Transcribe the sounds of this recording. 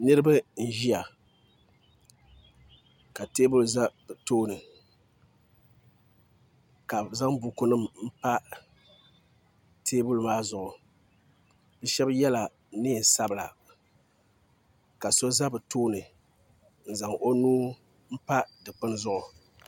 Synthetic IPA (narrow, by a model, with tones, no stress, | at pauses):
nɨ˦ɾɨ˦bɨ˦n̩˦˨ʒi˦ja˨ | ka˨teː˦bu˦lza˦bɨ˨toː˦nɨ˨ | ka˨za˦ŋbu˨ku˦nɨ˦mm̩˦pa˦ | tʰeː˦bu˦lmaː˦zʊ˨ʔʊ˨ | b̥ɛ˦ʃɛ˦bjɛ˦la˨ | nɪ˦˨sa˦bɨ˨la̰˨ | ka˨so˦za˦bɨ˨toː˦nɨ˨ | n̩˨za˨ŋʔo˦nuː˦ | m̩˦pa˦dɨ˨k͡pɨ˦n˦zʊ˦ʔʊ˨